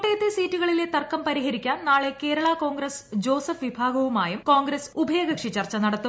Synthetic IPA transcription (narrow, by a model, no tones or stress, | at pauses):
ʈːejɐt̪ːesiːtːuɣɐɭile̞t̪ɐrkːɐmpɐɾiɦɐɾikʲːaːnnaːɭe̞ke̞ːɾɐɭako̞ːŋɡɾɐsd͡ʑo̞ːsɐfʋibʱaːɡɐʋumaːjumko̞ːŋɡɾɐsubʱɐeːɡɐkʂit͡ɕɐrt͡ɕːɐnɐɽɐt̪ːu